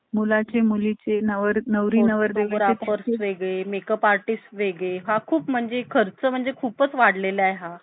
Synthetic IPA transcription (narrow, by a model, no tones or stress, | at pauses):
mulat͡semulit͡senəʋəɾnəʋɾinəʋəɾd̪eɡɾaefəɾsʋeɡɭemekəpaɾʈisʈʋeɡɭeɦakʰuːpm̤əɳd͡zekʰəɾt͡səm̤əɳd͡zekʰuːpət͡sʋaɽ̤lelajɦã